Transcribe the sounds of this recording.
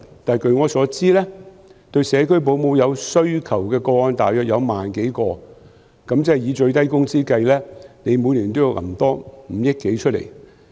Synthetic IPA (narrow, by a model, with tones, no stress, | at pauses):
t̪aː˨jkɵ˨˧ɥŋɔː˨˧sɔː˨˥t͡siː˥lɛː˥ | t̪ɵ˧ɥsɛː˨˧kʰɵ˥ɥp̬o˨˧wmo˨˧wjɐ˨˧wsɵ˥ɥkʰɐ˨˩wkɛː˧kɔː˧ŋɔː˧nt̪aː˨jœː˨k̚jɐ˨˧wmaː˨nke˨˥jkɔː˧ | kɐ˨˥mt͡sɛ˥˨jiː˨˧t͡ʃɵ˧ɥt̪ɐ˥jkʊ˥ŋt͡siː˥kɐ˧jlɛː˥ne˨˧jmuː˨˧jliː˨˩nt̪o˥jwʔɐ̰˨˩mt̪ɔː˥m̩˨˩jɪ˥k̚ke˨˥jt͡ʃʰɵ˥t̚lḛ˨˩j